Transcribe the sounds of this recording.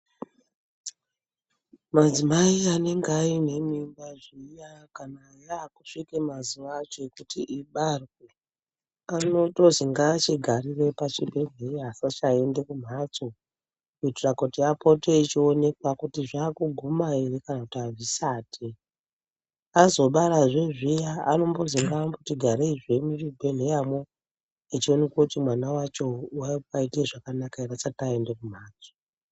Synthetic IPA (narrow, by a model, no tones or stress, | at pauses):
mad͡zimaiane̞ŋɡeaine̞mimbaʐijakanajaːkuʂikemaziʋat͡ʃokutiʔiɓarke | ano̞toziŋɡaːt͡ʃiɡʱarire̞pat͡ʃibʱe̞ɡeiɦasat͡ʃae̞nde̞kum̤at͡so | iturakutiapʰo̞te̞it͡ʃione̞kwakutiʐaːkuɡʱumaerikanakutiavisaːtʰe | azo̞ɓaɾaʐeʐijaa̰no̞mbo̞ziŋɡamboutiɡʱaɾeiʐemiibʱen̤ejamwo | it͡ʃio̞ne̞kwakutimwanawat͡ʃo̞wapaikieʐakanakaerat͡satae̞nde̞kum̤aːt͡so̥